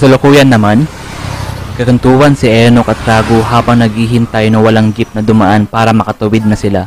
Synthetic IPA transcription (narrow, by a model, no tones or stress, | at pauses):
sɐlʊkuːjɐnːɐman | kɐkɐnt̪uːwɐnsɪʔɛnokɐt̪ːɾaːɡoɦaːbɐŋnɐɡ̚hiːɦɪnt̪aːjonɐwɐlaŋɡɪp̚nɐd̪ʊmaʔanpaːɾɐmɐkɐt̪ʊwɪd̪̚nɐsɪla